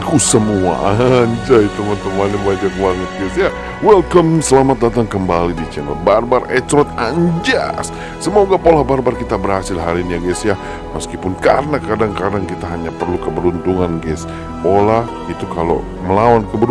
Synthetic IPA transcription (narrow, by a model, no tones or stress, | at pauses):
kusəmua̰aɲd͡ʒait̪əmat̪əmanibad͡ʒakbaŋət̪̚ɡɛsja | wɛlkɔmsəlamat̪̚dat̪aŋkəmbalidit͡ʃɛnɔ̰t̚barbarɛt̪ɾɔt̪̚aɲd͡ʒa̰sː | əmuaɡapolahbarbarkit̪abəɾhasɪlɦaɾiniaɡɛsja | məskipʊnkarənakadaŋkadaŋkit̪aɦaɲapərlukəbəɾunt̪uŋanɡɛs | polah | it̪ukalo̰ | məlawankəbəɾ